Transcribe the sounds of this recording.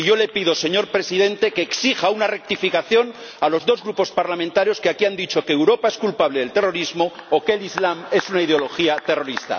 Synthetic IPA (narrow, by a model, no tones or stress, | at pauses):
iʝo̞le̞piðo̞se̞ɲo̞ɾpɾe̞siðe̞nt̪eke̞ːksixaunare̞k̚t̪ifikaθjo̞n | alo̞zðo̞zɣɾupo̞spaɾlamẽnt̪aɾjo̞skeakiand̪it͡ʃo̞keːwɾo̞pae̞skulpaβleðelt̪e̞ro̞ɾizmo̞ːke̞lizlame̞sunaið̞eo̞lo̞xiat̪e̞ro̞ɾist̪a̰